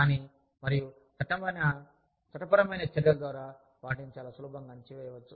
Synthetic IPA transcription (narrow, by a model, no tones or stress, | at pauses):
kaːni | mɐɾiju | t̪ɐʈːɐmɐjnɐ | t͡ʃɐʈɐpɐɾɐmɐjnɐt͡ʃːɛɾjɐld̪ʋaːɾaː | ʋaːʈint͡ʃaːlaːsuluːbɐŋɡaːnt͡ʃiʋɛːjɐʋɐt͡ʃːu